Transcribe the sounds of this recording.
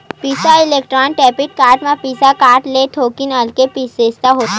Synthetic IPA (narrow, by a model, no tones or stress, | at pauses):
piːsaɪleːk̚ʈɾaːnʈɛːpɪʈ̚kaːɾʈmẽpiːsakaːʈlet̪ʰoːkinaːlkepiːseːst̪aɦoːt̪a